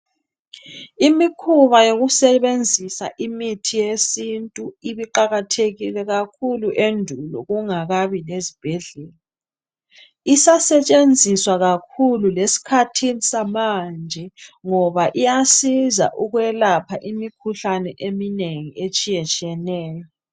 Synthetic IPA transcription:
imikʰuβajoɣusɛβend͡zʱisa̰ʔimitʰijesintʼuiβiǃaɣatʰeɣilɛɣakʰuluʔendʱulɔ̰ɣuŋaɣaβilezib̥ʱɛɮɛːla | isasɛt͡ʃʼend͡zʱiswaɣakʰululesi̥kʰatʰinisamand͡ʒʱɛŋɔβaʔijasiza̰ʔuɣwɛlapʰaʔimikʰuɬanɛʔemineŋiet͡ʃʼijɛt͡ʃʼiɛnɛːjɔ

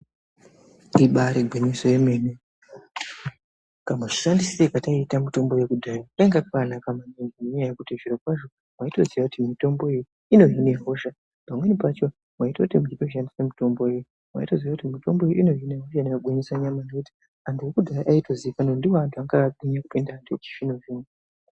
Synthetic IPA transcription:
iɓaɾeɡʱweɲisojeme̞ːne | kamaʐiʃandisisekataitamito̞mbo̞jekudʱajakaeŋɡakanakamanenɡinoɲajajekutiʐiɾo̞kwaʐo̞ | mwaito̞ziʋakutimito̞mbo̞eji | ino̞ɦineɦo̞ʃa | pamwe̞nipat͡ʃo | mwaitoutimuitoʃ̬andisemito̞mbo̞jej | mwa̰ito̞ziʋakutimito̞mbo̞eino̞ɦineɦo̞ʃanejoɡʱoɲisaɲamanokuti̥ | antuwokudʱajaʔaito̞ziʋikanondiwantʰuaŋɡaaɗiɲakupindaːntʰuet͡ʃi̥ʃinoin

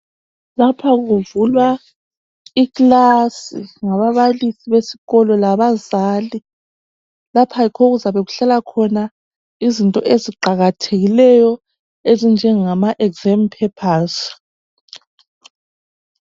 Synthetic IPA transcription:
lapʰaɣuvulwa | iklasiŋaβaβalisiβesiɣɔlɔlaβazaːli | lapʰajikʰoɣuzaβeɣuɬalakʰɔna | izintʼɔʔeziǃaɣatʰeɣilɛjɔ | ezind͡ʒʱɛŋamaʔɛɡzɛmpʰɛpʰaz

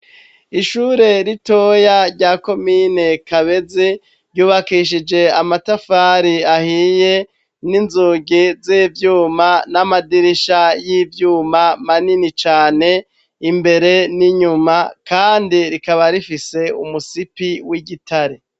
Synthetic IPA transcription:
iʃuːɾe̞ɾito̞jaɾɟako̞minekaβe̞zi | ɾjuːβakiʃ̬id͡ʒe̞amatafaːɾiahije̞ | ninzuːɡizivjuːmanamadiɾiʃajivjuːmamaninit͡ʃaːne̞ | imbe̞ɾe̞niɲumakaːndiɾikaβaɾifise̞ṵmusipiwiɡitʰaɾi

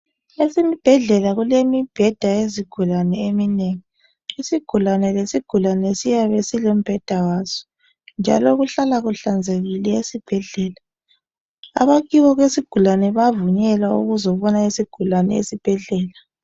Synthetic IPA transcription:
esimib̥ʱɛɮɛlaɣulemib̥ʱɛd̥ʱaeziɡ̥ʱulanɛemineŋi | isiɡ̥ʱulanɛlesiɡ̥ʱulanɛsijaβesilom̩b̥ʱɛd̥ʱawaːz̥ɔ̥ | nd͡ʒʱa̰lɔɣuɬalaɣuɬand͡zʱeɣilɛesib̥ʱɛɮɛːla | a̰βaɣiwɔɣwesiɡ̥ʱulanɛβavuɲɛlaṵɣuzɔβɔnaesiɡ̥ʱulanɛ̰ḛsib̥ʱɛɮɛːla

